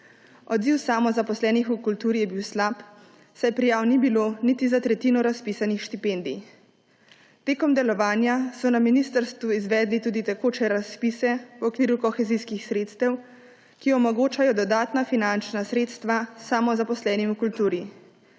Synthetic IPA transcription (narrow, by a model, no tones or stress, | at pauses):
ɔd̪ziwsaːmɔzapɔslɛːnixukult̪uːɾijɛbiwslap | sajɛpɾijaːwnibilonit̪izat̪ɾɛt̪iːnɔɾaspiːsanixʃt̪ipeːnd̪ḭ | t̪eːkɔmd̪ɛlɔʋaːnjasɔnaminiːst̪əɾst̪ʋuizʋɛːd̪lit̪uːd̪it̪ɛkoːt͡ʃɛɾaspiːsɛwɔkʋiːɾukɔxɛziːskixsɾeːt̪st̪ɛw | kiɔmɔɡoːt͡ʃajɔd̪ɔd̪aːt̪nafinant͡ʃnasɾeːt̪st̪ʋasamɔzapɔslɛːnimukult̪uːɾi